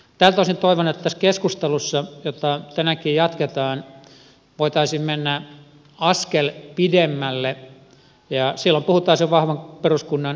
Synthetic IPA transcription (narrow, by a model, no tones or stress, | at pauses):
t̪æːlt̪oˑisint̪oiʋonːet̪t̪æskeskust̪elusːɑjot̪ɑt̪ænækijjɑt̪ket̪ɑːn | ʋoit̪ɑisimmenːæ | ɑskelpidemːælːe | jɑsilːompuhut̪ɑːseʋɑhʋɑŋperuskunːɑn